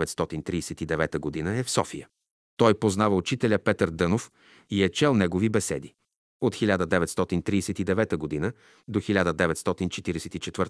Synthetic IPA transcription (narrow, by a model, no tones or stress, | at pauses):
vɛt̪st̪ɔt̪int̪ɾiːsɛt̪id̪ɛvɛt̪əɡod̪inəɛfsɔfijə | t̪ɔjpoznavəut͡ʃit̪ɛlʲəpɛt̪əɾd̪ɤnof | iɛt͡ʃɛlˠnɛɡovibɛsɛ̰d̪i | ot̪xilʲad̪əd̪ɛvɛt̪st̪ɔt̪int̪ɾiːsɛt̪id̪ɛvɛt̪əɡod̪inə | d̪oxilʲad̪əd̪ɛvɛt̪st̪ɔt̪int͡ʃɛt̪iɾɛsɛt̪it͡ʃɛt̪vəɾt̪